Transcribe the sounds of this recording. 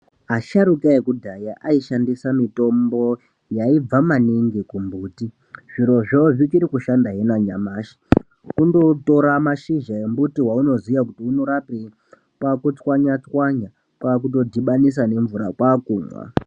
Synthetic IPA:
aʃaɾukaekudʱajaʔaiʃandisamito̞mbo̞ | jaib͡vamaniŋɡikumbuːti | ʐ̥iɾo̞ʐoʐikiɾikuʃandaɦenaɲamaːʃi̥ | kundo̞to̞ɾamaʃiʒae̞mbutiɦwauno̞zijakutiuno̞ɾapi | kwakut͡swaɲat͡swaɲa | kwak̬uto̞dʱiɓanis̬ane̞ɱvuɾakwaːkuːmwa̰

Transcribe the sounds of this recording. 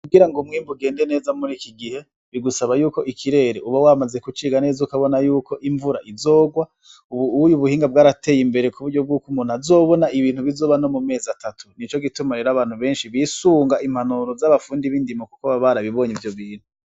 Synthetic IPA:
kuɡiɾaŋɡomŋiːmbuɡe̞ːnde̞ne̞ːzamuɾikiɡihe̞ | βiɡusaβajuːko̞ʔikʰiɾe̞ːɾeʔuβawaːmaze̞kut͡ʃiːɡane̞ːzaukaβo̞najuːko̞ʔiɱvuɾa̰ʔizo̞ːɡwa | uβuujuβuhiːŋɡab̚ɡaːɾate̞ːjimbe̞ɾekuβuɾɟo̞b̚ɡuːkumuːn̥azo̞ːβo̞naʔiβiːn̥huβizo̞ːβano̞mume̞ːzatʰatʰunit͡ʃo̞ɡitumaɾeɾaβaːn̥huβe̞ːnʃiβisuːŋɡaʔimhanuɾovzaβafuːndiβiːndimokukoβaβaɾaβiβo̞ːɲivjoβiːn̥hu

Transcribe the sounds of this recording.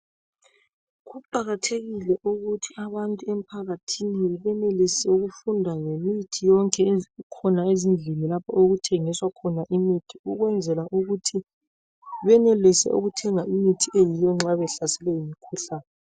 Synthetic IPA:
ɣuǃaɣatʰeɣilɛʔuɣutʰiaβantʼuɛm̩pʰaɣatʰiniβɛnelisɛuɣufundʱaŋemitʰijɔŋkʼɛkʰɔnaezind͡ɮʱinilapʰɔoɣutʰeŋiswakʰɔnaʔimitʰiuɣwɛnd͡zʱɛlaʔuɣutʰi | βɛnɛlisɛ̰ʔo̰ɣutʰɛŋaʔimitʰiʔejijɔŋ͡ǁaβɛɬasɛlɛjimikʰuɬaːnɛ

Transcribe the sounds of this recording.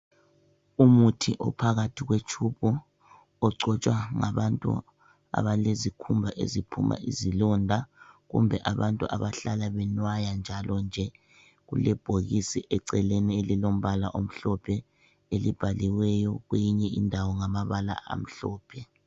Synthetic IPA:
umutʰiʔɔpʰaɣatʰiɣwet͡ʃʰupʰu | ɔǀɔt͡ʃʼwaŋaβantʼṵ | a̰βalezikʰumbʱaʔḛzipʰṵmʔa̰ʔḭzilɔndʱaɣṵmbʱɛʔaβantʼuʔaβaɬalaβɛnwajand͡ʒʱalʔɔnd͡ʒʱɛ | ɣṵlɛb̥ʱoɣisiʔɛǀɛlenielilom̩βalaʔom̩ɬɔpʰɛ | elib̥ʱaliwɛjɔɣwejiɲɛindʱawɔŋamaβala̰ʔa̰m̩ɬɔːpʰɛ

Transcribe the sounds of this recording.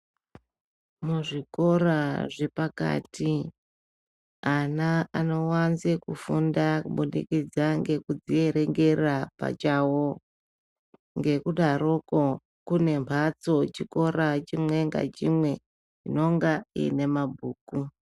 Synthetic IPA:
muʐiko̞raʐe̞paka̰tʰi | anaano̞wanzikufundakuɓunḭkid͡zaŋɡe̞kud͡zie̞ɾe̞ŋɡe̞rapa̰t͡ʃawo | ŋɡe̞kuɗaɾoko | kune̞mpʰat͡so̞t͡ʃiko̞ɾat͡ʃimwe̞ŋɡa̰t͡ʃimwe̞ | t͡ʃino̞ŋɡaḭne̞mabʱuːku

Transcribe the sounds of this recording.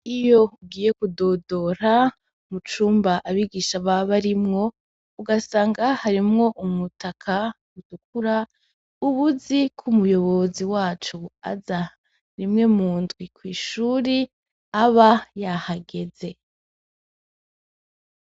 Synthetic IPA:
ijo̞uɡiːje̞kudo̞do̞ɾa | mut͡ʃuːmbaʔaβiɡiːʃaβaβaɾimŋo̞ | uɡasaːŋɡahaɾimŋo̞ʔumutakʰa | utuk̚uɾa | uβuzikʰumujo̞βo̞ziwaːt͡ʃua̰za | ɾimŋe̞muːndɡwikwiːʃuːɾi | aβajahaɡe̞ze̞

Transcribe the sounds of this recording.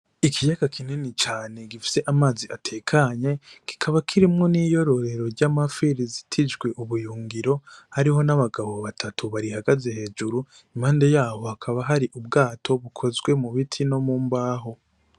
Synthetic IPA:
ikʰijaɡakʰinenit͡ʃaːne̞ɡifi̥se̞ʔamaːziʔatʰe̞ːkʰaɲe̞ki̥kʰaβakʰiɾimŋo̞niːjo̞ɾo̞ɾe̞ɾo̞ɾɟaːmafiɾizitʰid͡ʒɡwe̞ʔuβujuːŋɡiɾo̞haɾiho̞naβaɡaβo̞βatʰatuβaɾihaɡaze̞he̞ːd͡ʒuɾu | imhaːnde̞jaːho̞akʰaβaɦaɾiʔub̚ɡaːtʰo̞βukʰo̞zɡwe̞muβitʰino̞muːmbaːɦo̞

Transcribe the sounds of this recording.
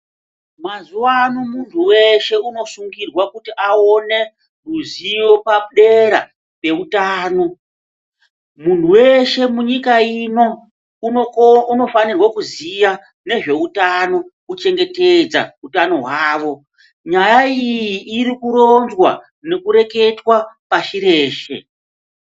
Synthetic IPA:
mazuwanomuntʰuwe̞ʃe̞uno̞suŋɡirwakutiʔao̞ne̞ | ruzijo̞paɗe̞ɾa̰ | pe̞utaːno̞ | muntuwe̞ʃe̞muɲikaino̞ | uuno̞fanirwakuzija | ne̞ʐe̞utano̞kut͡ʃe̞ŋɡe̞ted͡za̰utano̞ɦwaːʋo̞ | ɲajaijjiʔːɾikuɾonzwa | ne̞kuɾe̞ke̞twapaʃiɾe̞ːʃe̞̰

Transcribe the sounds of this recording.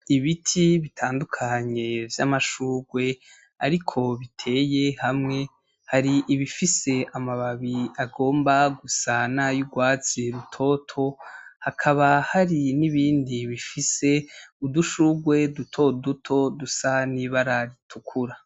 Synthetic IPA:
iβitʰiβitʰaːndukʰaɲe̞vjamaʃuːɡwe̞ | aɾikʰo̞βitʰe̞ːjehamŋe̞ | haɾiʔiβifise̞amaβaβiaɡo̞ːmbaɡusanajuɡwaːt͡siɾutʰo̞ːtʰo̞hakʰaβahaɾiniβiːndiβifise̞uduʃuɡwe̞dutʰo̞dutʰo̞dusaniβaɾaɾitʰukʰuɾa

